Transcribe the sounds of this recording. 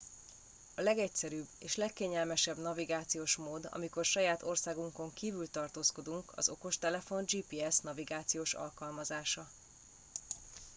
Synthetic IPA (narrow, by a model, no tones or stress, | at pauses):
ɒlɛɡɛcsɛɾyːbeːʃlɛkːeːɲɛlmɛʃɛbnɒviɡaːt̪sijoːʃmoːd̪ɒ̰miko̞rʃɒjaːt̪o̞rsaːɡuŋko̞ŋkiːvylt̪ɒrt̪oːsko̞d̪uŋkɒ̰zo̞ko̞ʃt̪ɛlɛfo̞nd͡ʒiːpiːɛsnɒviɡaːt̪sijoːʃɒ̰lkɒlmɒzaːʃɒ